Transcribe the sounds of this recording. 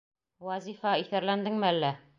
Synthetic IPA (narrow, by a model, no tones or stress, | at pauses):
wɑzifæiθæɾlænd̪ɘŋmɘælːæ